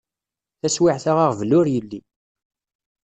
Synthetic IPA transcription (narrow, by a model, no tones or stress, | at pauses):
θæswiʕθaʁaʁvlːʊɾjəlːi